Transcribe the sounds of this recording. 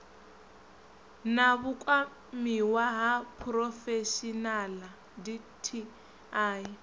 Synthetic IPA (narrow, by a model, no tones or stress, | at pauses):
naβukʼwa | miwaɦapʰrɔfeʃinala | di | tʰi | aːj